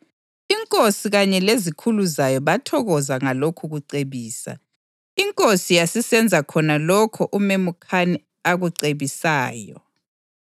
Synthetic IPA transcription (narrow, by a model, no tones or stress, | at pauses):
iŋkʼosiɣaɲɛlezikʰuluzajɔβatʰɔɣɔzaŋalokʰuɣuǀeβiːsa̰ | iŋkʼosijasisɛnd͡zʱakʰɔnalɔkʰɔʔumemukʰanɛ | aɣuǀeβisaːjɔ̰